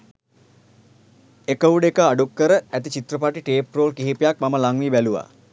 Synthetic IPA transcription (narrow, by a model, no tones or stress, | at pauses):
ekəuɖekəaɖukːəɾəæt̪it͡ʃit̪ɾəpaʈiʈeːproːlkiɦipijak̚maməlaŋnibæluʋa̰